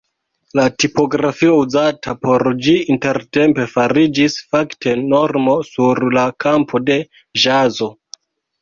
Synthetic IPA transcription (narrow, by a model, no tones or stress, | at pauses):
latipo̞ɡɾafio̞uzatʰapo̞ɾd͡ʒiinte̞ɾte̞mpe̞faɾid͡ʒisfaktʰe̞no̞ɾmo̞suɾlakʰampʰo̞de̞ | ʒazo̞